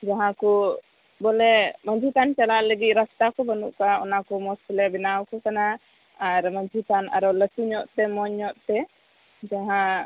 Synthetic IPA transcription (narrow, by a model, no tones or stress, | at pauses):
d͡ʒaɦãkɔ | bɔlɛməɲd͡ʒʱit̪ant͡ʃalaʔləɡit̪̚ˀɾast̪akɔbənṵʔkaɔ̰nakɔmɔspilɛbinawkɔkana | aɾməɲd͡ʒʱit̪ana̰ɾɔləsuɲɔʔt̪ɛmɔɲɔʔt̪ɛ | d͡ʒaɦã